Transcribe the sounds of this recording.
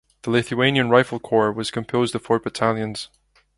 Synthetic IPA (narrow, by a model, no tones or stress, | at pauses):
ðəlˠɪθʉẽnjə̃nɹaɪfəlˠkʰɔɹwɔz̥kʰə̃mpʰoːzdəv̥fɔ˞bətʰalˠjə̃nz̥